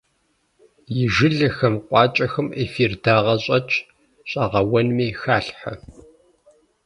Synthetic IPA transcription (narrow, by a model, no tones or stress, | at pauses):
jɪʒɨɮɐxɐmqʷʼɑːt͡ʃʼɐxɨmeːfiːrdaːʁɐɕʼɐt͡ʃʰʼ | ɕʼɑʁɐwɐnmiːxaːɬħɐ̰